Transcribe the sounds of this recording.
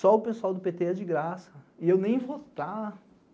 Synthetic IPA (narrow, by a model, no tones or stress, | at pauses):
sɔʊpesuawd̪ʊpet̪eɛd͡ʒɪɡɾasɐɪewnẽj̃vot̪a